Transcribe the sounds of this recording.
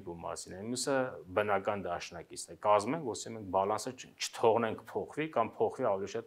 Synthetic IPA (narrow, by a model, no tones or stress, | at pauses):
ɡumɑ̰sinɛmjusəbənɑkɑnd̪ɑʃnɑkit͡sʰnɛkɑzmɛŋkʰvɔsimɛŋk̚bɑlɑnsət͡ʃʰə̥t̪ʰɔʁnɛŋkʰpʰɔχvikɑmpʰɔχviɑvɛliʃɑt̪̚